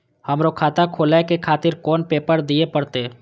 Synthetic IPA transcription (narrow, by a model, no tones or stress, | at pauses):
hɐmɾokʰaːt̪akʰoːlakekʰaːt̪ɪɾkɔːnpeːpəɾd̪iepəɽt̪eː